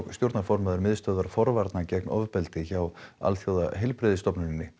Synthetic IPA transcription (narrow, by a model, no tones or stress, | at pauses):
ɣst̪jowɾt̪nafɔɾmaðʏɾmɪðst̪œːðaɾ̥fɔɾvaɾt̪nacɛknɔvpɛlt̪ɪçawa̰lθjoːwða̰ɦɛlpɾɪðɪst̪ɔpnʏɪnːɪ